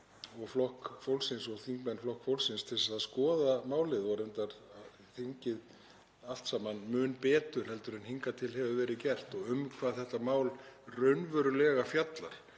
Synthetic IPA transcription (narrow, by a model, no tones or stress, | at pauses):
ɔɣflɔhkfowlsɪnsɔɣθiŋkmɛnflɔhkfowlsɪnst̪ʰɪlsaðskɔːðamaːwlɪðvɔɾɛnt̪aɾ | θiɲcɪð | al̥t̪saːmanmʏːnpɛːt̪ʏɾ̥hɛlt̪ʏɾɛnhiŋkat̪ʰɪlɦɛvʏvɛːɾɪðcɛr̥t̪ɔɣʏmkʰv̥aðθɛht̪amaːwlrœɥnvœɾʏlɛːɣafjat̪la̰ɾ̥